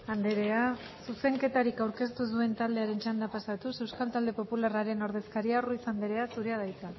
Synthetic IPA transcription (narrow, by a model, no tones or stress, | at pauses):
and̪eɾe̞a | suse̞ŋke̞t̪aɾikawɾke̞st̪usue̞nt̪ald̪e̞aɾe̞nt͡ʃand̪apasat̪use̞wskalt̪ald̪e̞po̞pularaɾe̞no̞ɾð̞e̞skaɾiaruisand̪eɾe̞asuɾe̞að̞ajt͡sa